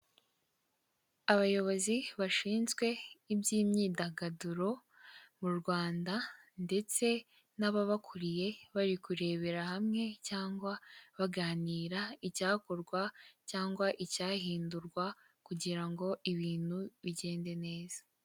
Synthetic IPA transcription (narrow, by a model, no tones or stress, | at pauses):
aβajo̞βo̞ziβaʃiːnzɡwe̞ibjiːmɲiːdaɡaduɾo̞ | muɾɡwaːndande̞t͡se̞ | naβaβakʰuɾije̞βaɾikuɾe̞ːβe̞ɾahamŋe̞caːŋɡwaβaɡaːniːɾaicaːkoɾɡwacaːŋɡwaʔicaːɦiːnduɾɡwa | kuɟiɾaŋɡo̞ʔiβiːn̥huβiɟe̞ːnde̞ne̞ːzḁ